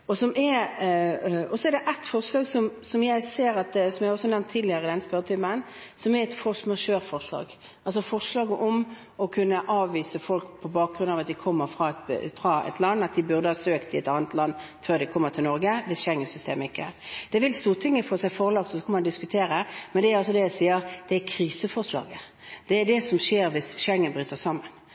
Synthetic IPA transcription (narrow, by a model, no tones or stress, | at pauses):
ɔsɔmɛɾ | ɔsɔɛʁd̪ɛʔɛt̪fɔʁʂlɑːɡsɔmsɔmjæɪseːɾɑt̪sɔmjæɪhɔsːɔnɛʋnt̪ʰːid̪lɪəɾɪd̪ɛnːəspœɾət̪ʰʏmənsɔmɛɾɛt̪fɔʂmɑʂøːʁfɔʁʂlɑ̰ːɡ | ʔɑls̬ɔfɔʁʂlɑːɡəʔɔm | ɔkʰʉnːəʔɑːʋːiːsəfɔlkpʰɔbɑːk̚ɡɾʉnɑːʋɑt̪̚d̪ɪkʰɔmːəɾfʁɑt̪fɾɑɛ̰t̪ʰlɑnːɑt̪̚d̪ɪbʉʁd̪əhɑːsøːkt̪ʰɪɛt̪ɑːnət̪lɑnː | føːʁd̪ɛɪkʰɔmːəʁt̪ʰɪlnɔɾɡəʋɪsʃɛŋːənsʏst̪eːməɪkːəæ̰ːɾd̪̥ɛʋɪlst̪uːʁt̪ʰɪŋːəfoːsæɪfɔʁlɑk̚t̪ɔsɔkʰɑnmɑnd̪ɪskʉt̪ʰeːɾəmɛnd̪ɛæɾɑls̬ɔd̪ɛjæɪsiːəɾd̪̥ɛækʰɾiːsəfɔʁʂlɑ̰ːɡə | d̪̥ɛæɖ̪ɛsɔmʂeːɾʋɪsʃɛŋːənbɾyːt̪əsɑmːən